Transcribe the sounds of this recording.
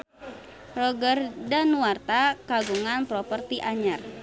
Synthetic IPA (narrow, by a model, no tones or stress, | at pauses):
rɔɡərdanuart̪akaɡuŋanpɾɔpərt̪iʔaɲər